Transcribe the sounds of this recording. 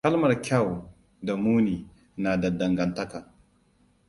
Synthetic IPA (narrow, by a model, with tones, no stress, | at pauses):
kɐ˦lmɐ˨rkʲa˦˨w | da˨muː˦niː˨ | naː˨da˨dɐ˨ŋɡɐ˨ntɐ˦ka˨